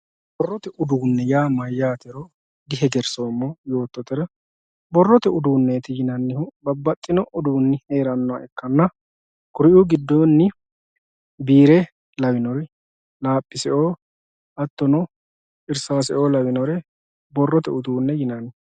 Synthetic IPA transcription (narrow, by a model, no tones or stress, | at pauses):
bɔrːɔt̪ɛʔʊd̪uːnːɛjaːmɐjːaːt̪ɛɾɔ | d̪ɪɦɛɡɛɾsoːmːɔjo̞ːt̪ːɔt̪ɛɾɐ | bɔrːɔt̪ɛʊd̪uːnːeːt̪ɛjɪnɐnːɪhʊbɐbːɐt̪ʼːɪnɔʔʊd̪uːnːɪhe̞ːɾɐnːɔa̰ʔɛkːɐnːɐ | kʊɾɪʔuɡɪd̪ːonːɪ | biːɾɛ | lɐwɪnɔɾ | laːpʼːɪsɛʔoː | ʔɐt̪ːɔnɔ | ɪɾsasɛ̰ʔoːlɐwɪnɔɾɛ | bɔrːɔt̪ɛʊd̪uːnːɛjɪnɐnːɪ